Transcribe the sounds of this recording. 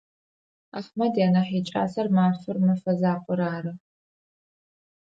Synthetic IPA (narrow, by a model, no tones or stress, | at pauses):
aχmɐdjaːnɐħiːt͡ʃʼa̰ːsɐrmaːrfɨrmɐfɐzaːqʷʼʊɾaːɾɨ